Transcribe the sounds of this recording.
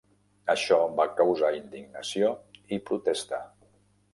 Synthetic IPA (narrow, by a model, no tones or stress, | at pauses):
əʃɔbakəwzaind̪iɡnəsijoipɾut̪ɛst̪a